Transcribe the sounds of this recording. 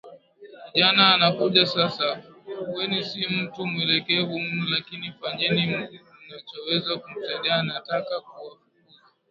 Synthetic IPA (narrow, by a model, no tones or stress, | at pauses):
ʄanaːnakuʄasasawɛnisim̩tumwuɛlɛkɛvum̩nulakinifaɲɛnim̩unat͡ʃɔwɛzakum̩sɛɗɛaːnatakak̚uwafukuza